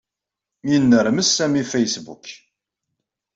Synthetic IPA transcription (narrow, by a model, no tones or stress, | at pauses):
minːəɾməsːæmifæjsbṵk